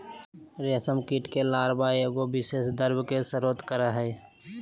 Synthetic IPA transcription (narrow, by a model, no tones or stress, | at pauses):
ɾeəsəmkiːʈkelaːɾbaeɡobɪseːsd̪əɾbkesəɾoːt̪kəɾaɦɛː